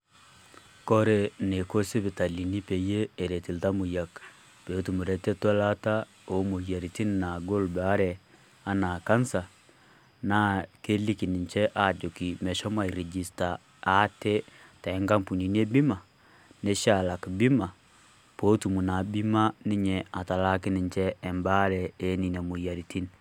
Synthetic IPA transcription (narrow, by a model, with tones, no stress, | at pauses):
kɔ˦ɾe˨ne˨ko˦se˦be˨ta˨li˨ni˦pe˨jeː˦˨ɾe˨ti˨lta˦mu˨ja˨k | pe˨˦tu˨mu˨ɾɛ˨tɛ˦ta˦la˦ta˦ | o˨˦mo˨ja˨ɾi˨ti˦n˨na˨ɡo˦lba˦ɾɛ˨ | a˦na˨ka˦nsa˨ | na˦ke˦li˦ki˨ni˨ɲt͡ʃɛ˦ʔa˨d͡ʒo˨ki˨mɛ˨ʃɔ˦ma˦˨i˨ɾe˨d͡ʒi˨sta˨ | a˨˦te˦ta˨ɛ˦ŋka˦mpu˨ni˨n˦e˦bi˦ma˨ | ne˦ʃa˨la˨kbi˦ma˨ | po˦tu˨mu˨na˨bi˦ma˦ni˦ɲɛ˨a˨ta˨la˦ki˦ni˨ɲt͡ʃɛː˦˨mba˦ɾɛ˨e˨˦ni˨na˨mu˨ja˨ɾi˨ti˦n